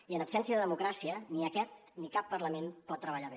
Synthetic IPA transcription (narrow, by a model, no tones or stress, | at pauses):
iənəpsɛnsiəðəðəmukɾasiəniəkɛt̪̚nikapːərləmenpɔt̪ːɾəβəʎaβe